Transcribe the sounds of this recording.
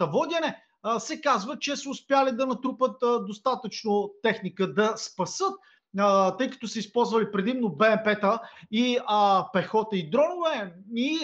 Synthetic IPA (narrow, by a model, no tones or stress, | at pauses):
ɐvɔd̪ʲɐnɛ | sɛkazvət͡ʃɛsəʊspjalid̪ɐnɐt̪ɾupət̪d̪ost̪at̪ət͡ʃnot̪ɛxnikəd̪ɐspɐsɤt̪̚ | t̪ɤjkɐ̥t̪ɔsɛispɔlˠzvɐlipɾɛd̪imnobɛɛmpɛt̪əipɛxɔt̪əid̪ɾɔnʊvɛi